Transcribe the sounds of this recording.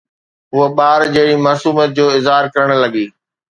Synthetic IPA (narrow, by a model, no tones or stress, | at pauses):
ɦʊɦəɓaːɾd͡ʑɐɦɪɽimaːsuːmət̪̚d͡ʑoːɪzɦaːɾkɐɾəɽ̃lɐɠiː